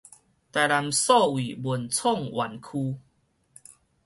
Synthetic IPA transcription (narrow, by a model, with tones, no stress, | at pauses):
t̪a˨˩jla˨msɔ˥˨wi˨˩bwu˨˩nt͡sʰɔ˥˨ŋwʔa̰˨˩˦nkʰu˧